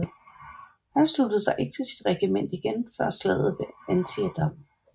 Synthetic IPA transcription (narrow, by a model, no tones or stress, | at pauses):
hænslud̥əð̞̩ˠsɑ̈ɪʔe̝ɡ̥ə̥t͡sʰe̝lsid̥ʁɛɡ̥imen̰d̥iɡ̥enfɶɐ̰slɛ̰ð̰ˠð̩ˠʋe̝ænt͡sʰiæd̥ɑm̰